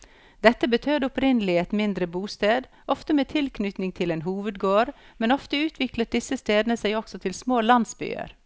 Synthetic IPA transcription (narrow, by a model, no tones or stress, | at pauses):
d̪̥ɛt̪ːəbət̪ʰøːd̪əʊpɾɪnəlɪɛt̪mɪnd̪ɾəbuːst̪eːd̪ | ʔɔft̪əmeːt̪ʰɪlknʏt̪nɪŋt̪ʰɪleːnɦuːʋəd̪̚ɡoːɾ | mɛnɔft̪əʉːt̪ʰʋɪkləʈ̚ɖ̪ɪsəst̪eːd̪nəsæɪɔksɔt̪ʰɪlsmoːlɑnd̪sby̰ːə̰ɾ